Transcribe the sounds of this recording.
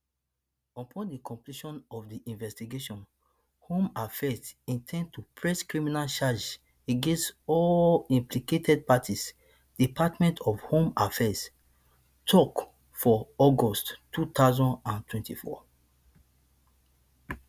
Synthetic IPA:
ɔpʰɔ̃ndikʰɔ̃mpliʃɔ̃nɔvdiʔĩnvɛstiɡeʃɔ̃n | hõmafɛsĩntʰɛ̃nd̚tʰupʰɹɛskɹiminalt͡ʃad͡ʒ | eɡẽnstɔĩmpliketʰɛd̚patʰis | d̥ipʰatmɛ̃ntʰɔfhõmafɛs | tʰɔk | fɔɔɡɔsttːut̪aʊzɔ̃ndãntʰwɛ̃ntifɔ̰

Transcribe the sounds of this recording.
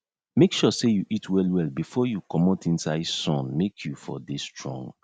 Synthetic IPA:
mekʃusejuʔitʰwɛlwɛlbifɔjukɔmɔtĩnsaɪdsɔ̃nmekʰjufɔ̰destɹɔ̰̃ŋɡ

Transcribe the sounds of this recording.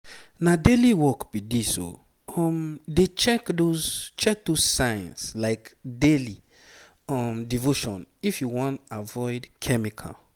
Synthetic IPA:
nadeliwɔkb̥idiso̰ | ɔmdet͡ʃɛkdozt͡ʃɛk̚dozsãɪ̃nslaɪkdeli | ɔmdivoʃɔ̰̃nifjuwɔ̃ntavɔɪdkʰɛmikʰa̰

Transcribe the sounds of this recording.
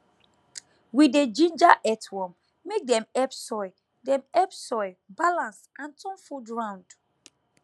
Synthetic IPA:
wided͡ʒĩnd͡ʒaʔɛtwɔ̃mː | ek̚dɛ̃mɛpsɔɪ | dɛ̃mɛpsɔɪbalãnsãntʰɔ̃nfudɹãʊ̃nd̥

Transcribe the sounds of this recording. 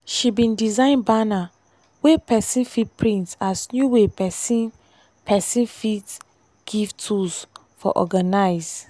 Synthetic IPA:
ʃibĩndizãɪ̃nbana | wepʰɛsĩnfit̚pʰɹĩntsasnjuwepɛsĩn | pʰɛsĩnfit | ɡ̥ivtʰus | fɔ̰ʔɔ̰ɡanaɪz

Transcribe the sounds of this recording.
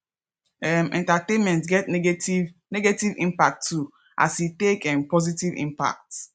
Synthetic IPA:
ɛmɛ̰̃ntatẽnmɛ̃ntɡɛtinɛɡetivĩmpak̚tʰːu | ʔa̰sitekɛ̃mpɔzitivḭ̃mpa̰k̚t

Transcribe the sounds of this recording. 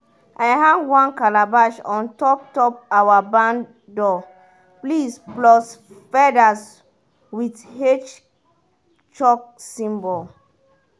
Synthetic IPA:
ʔajɦãnwãnkalabaʃɔ̃ntɔp̚tɔpawabãn | dɔ | plisplɔs | fɛdas | withet͡ʃ | t͡ʃɔk̚sĩmbɔl

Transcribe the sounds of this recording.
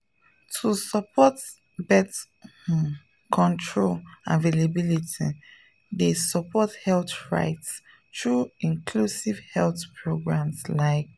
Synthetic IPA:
tʰusəpʰɔt | bɛt | kʰɔ̃ntʰɹolã̰nvelabilitʰi | desəpʰɔthɛlθɹa̰ɪts | tɹuĩnkʰlusiv̥hɛlθpʰɹoɡɹãmslaɪk̚

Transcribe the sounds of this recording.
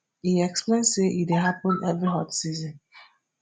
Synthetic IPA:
iɛksplẽnseʔideɦapʊ̃nɛvɾiɦɔtsizɔ̃n

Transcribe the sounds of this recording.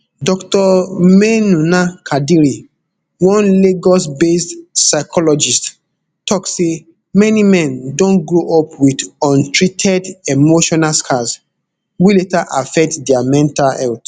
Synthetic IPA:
dɔktɔmenũnakʰadiɾi | wɔ̃nleɡɔsbestsaɪkʰɔlɔd͡ʒist | tɔkse | mɛnimɛ̃ndõnɡɹoʔɔpwidɔ̃ntʰɹitʰɛdemoʃɔnalskʰas | wiletaʔafɛk̚tdɛamɛ̃ntalɛlt

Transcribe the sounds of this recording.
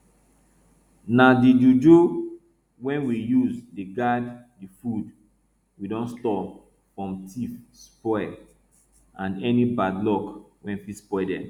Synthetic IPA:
nadidudo | wɛ̃nwijuzdeɡad | difud | widɔ̃nstɔ | fɹɔ̃mtʰifspɔɛ | ãnɛnibadlɔk | wɛ̃nfispɔɛdɛ̰̃m

